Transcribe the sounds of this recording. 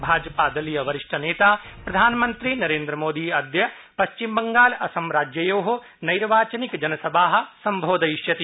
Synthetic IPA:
bʱaːd͡ʒɐpad̪ɐlijɐʋɐɾɪʃʈʰɐneːt̪aːpɾɐd̪ʱaːnmɐ̃nt̪ɾinɐɾeːnd̪ɾɐmoːd̪iɐd̪jɐ | pɐʃt͡ʃimbɐŋɡaːlɐsɐmɾaːd͡ʒjɐjoːɦo | nɐjɾʋaːt͡ʃɐnikd͡ʒɐnɐsɐbʱaːɦ̆sɐmbʱoːd̪ɐiʃjɐt̪i

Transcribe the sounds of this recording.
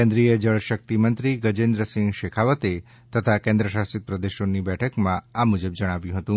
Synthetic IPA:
kɛ̃nd̪ɾijəd͡ʒəɭʃək̚t̪imənt̪ɾiɡəd͡ʒend̪ɾəsɪ̃ŋɡʃekʰaʋət̪e | t̪ət̪ʰakɛ̃nd̪ɾəʃasit̪̚pɾəd̪eʃonibɛʈʰəkmãamud͡ʒəbd͡ʒəɽ̃aʋjũɦət̪ũ

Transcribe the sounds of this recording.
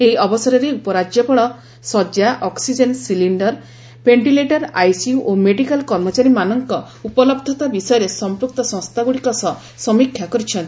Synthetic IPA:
eɦiɔbɔsɔɾɔɾeupɔɾad͡ʒjɔpɔɭɔ | sɔd͡ʒjaʔɔksid͡ʒensiliɳɖɔɾ | peɳʈileʈɔɾajsiuʔomeɖikalkɔɾmɔt͡ʃaɾimanɔŋkɔ | upɔlɔbd̪ʱɔt̪abisɔjɔɾesɔmpɾuk̚t̪ɔsɔ̃st̪ʰaɡuɽikɔsɔ | sɔmikʰjakɔɾit͡ʃʰɔnt̪i̥

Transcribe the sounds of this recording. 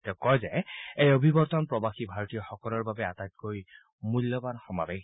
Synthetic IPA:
tɛʊkɔjzɛejobʱibɔɹt̪ɔnpɹɔbaxibʱaɹɔtijɔxɔkɔlɔɹbabɛatajt̚koj | mulːɔbanxɔmabɛ

